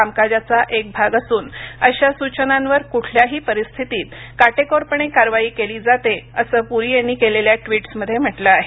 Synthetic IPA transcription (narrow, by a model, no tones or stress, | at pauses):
amkad͡ʑat͡saʔek̚bʱaɡasuːnəɕasut͡ɕənãnʋəɾkuʈʰljaɦiːpəɾist̪ʰit̪iːt̪kaʈekoɾpəɳekaɾʋaiːkeliːd͡zat̪eəsəːpuɾiːjenːiːkeleljaʈʋiːʈsməd̪ʱːjem̤əʈləaɦe